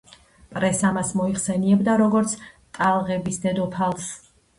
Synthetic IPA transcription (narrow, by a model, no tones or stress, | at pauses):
pʼɾɛsamasmɔiχsɛniɛbd̪aɾɔɡɔɾt̪sʰt̪ʼalˠʁɛbisd̪ɛd̪ɔpʰalˠs